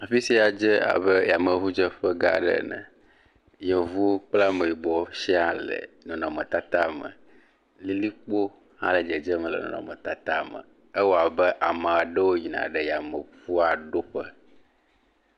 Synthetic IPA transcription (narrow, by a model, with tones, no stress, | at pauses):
a˨fi˦si˦a˨d͡ʒə˦a̰˨βə˦ja˨mə˨vu˦d͡ʒə˦ɸə˦ɡa̰˦ɖɛ̰˦nə̰̃˨ | jɛ˨vu˦k͡pla˦me˨ji˨ɡ͡bɔ˨ʃɛ˦a˦˨lə̰˨nɔ̃˨nɔ̃˨mə˨t̪a˦t̪a˦mə̰˨ | li˦li˦k͡po˦ | hã̰˦lə˨d͡ʒə˨d͡ʒə˦mə̃˨lɛ̰˨nɔ̰̃˨nɔ̰̃˨mə̃˨t̪a˦t̪a˦mə̰˨ | ə˦wo˦a˨bɛ˦ʔa˨mə̃˨a˨ɖə˦wo˦ɲi˨nã̰˨ɖɛ˨ja˨mə˨ɸu˦a˨ɖo˦ɸə˦